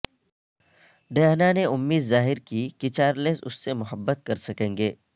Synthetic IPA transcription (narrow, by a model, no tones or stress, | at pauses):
ɖ̪eːɦnaneʊmːiːd̪zaːɦɪɾkikit͡ʃaːɾlesʊ̰sːemʊɦəbːət̪̚kɐɾsɐkẽːŋɡeː